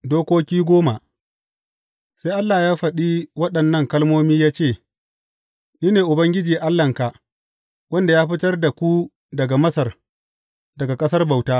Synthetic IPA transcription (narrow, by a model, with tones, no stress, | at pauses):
doː˦kʷoː˦kʲiː˦ɡʷoː˦ma˨ | sa˦jʔa˦lːaː˨jaː˦ɸɐ˨ɗiː˦wɐ˦ɗɐ˨nːɐ˦˨ŋkɐ˦lmoː˦miː˦jaː˦t͡ʃeː˦˨ | niː˦neː˨ʔʊ˨bɐ˦ŋɡʲɪ˦d͡ʒiː˨ʔa˦lːɐ˨ŋka˨ʔ | wɐ˦nda˨jaː˦ɸɪ˦tɐ˦rda˨kʷu˦ | dɐ˨ɡa˨mɐ˦sɐ˨r | dɐ˨ɡa˨kʼɐ˦sɐ˦rba˨wtaː˦